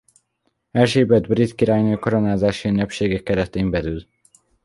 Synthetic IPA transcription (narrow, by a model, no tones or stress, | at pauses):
ɛlʃeːbɛd̪brit̪kiɾaːjnøːkoɾonaːzaːʃiynːɛpʃeːɡɛkːɛɾɛt̪eːmbɛɾyl